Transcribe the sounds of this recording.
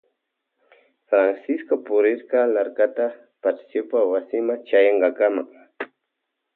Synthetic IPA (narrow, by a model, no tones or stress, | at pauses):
fɾansɪskopʊɾɪɾkɑlaɾkat̪a | pat͡ʃsjopawasɪmaŋt͡ʃajɑɴɢɑkamaŋ